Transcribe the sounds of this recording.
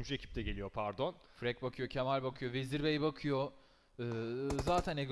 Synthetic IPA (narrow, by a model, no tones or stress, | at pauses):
muʃecʰi̥p̚t̪ʰɛɟelʲijo̞pʰæɾd̪o̞n | fɾɛc̚bakʰɯjo̞cʰemalʲbakʰɯjoveziɾbejbakʰɯjo | ɯːzaːt̪ʰæneɡ